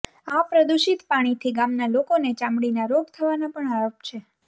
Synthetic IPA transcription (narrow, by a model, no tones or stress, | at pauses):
apɾəd̪uʃit̪paɽ̃it̪ʰiɡamnalokonet͡ʃãmɽinaɾoɡt̪ʰəʋanapəɳaɾop̚t͡ʃʰe